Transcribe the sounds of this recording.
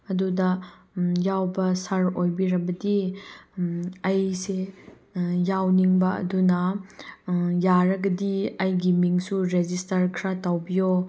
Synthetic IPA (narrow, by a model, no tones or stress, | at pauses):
ɐdudɐ | jawbɐsɐɾojbiɾɐbɐdi | ɐjse | jawniŋbɐɐ̰dunɐ | jaɾɐɡɐdiɐjɡimiŋsuɾezistɐɾkʰɾatawbijo